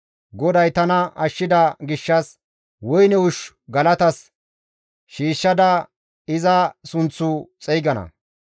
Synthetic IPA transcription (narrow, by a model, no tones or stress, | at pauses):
ɡɔd̪ɐjt̪ɐnɐɐʃːɪd̪ɐɡɪʃːɐs | wɔjnɛʊʃ | ɡɐlɐt̪ɐs | ʃiːʃːɐd̪ɐ | ɪzɐsʊnt͡sːʊt͡sʼɛjɡɐnɐ̰